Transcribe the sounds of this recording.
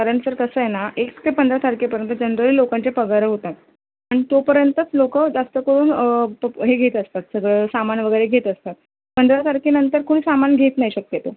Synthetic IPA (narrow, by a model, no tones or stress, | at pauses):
kəɾəɳsəɾkəsəjenaʔekst̪epənd̪ɾat̪ʰaɾkepəɾjənt̪əd͡ʑənɾəliːlokaɲt͡ɕepəɡaɾəɦot̪at̪ | aɽ̃it̪opəɾjənt̪ət͡slokəd͡zast̪əkəɾuːn | ɦeɡʱet̪əst̪at̪səɡɭəsamanʋəɡəjɾeɡʱet̪əst̪at̪̚ | pənd̪ɾat̪ʰaɾkenənt̪əɾkʰuɽiːsamanɡʱet̪najiɕək̚t̪et̪o